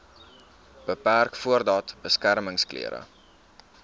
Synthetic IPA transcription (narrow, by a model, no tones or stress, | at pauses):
b̥əpærkfuərdɑtb̥əskærməŋsklḭəɾə̰